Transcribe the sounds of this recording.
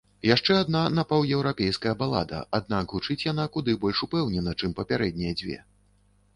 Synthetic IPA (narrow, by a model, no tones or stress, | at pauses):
jaʂt͡ʂɛad̪̚nanapawjɛwɾapʲɛjskɐjɐbalˠa̰d̪ɐ̰ʔad̪nakɣut͡ʂɨt͡sʲjanakud̪ɨbɔlʲʂupɛwnʲɛnɐt͡ʂɨmpɐpʲaɾɛd̪̚ʲnʲijɐd͡zʲvʲɛ̰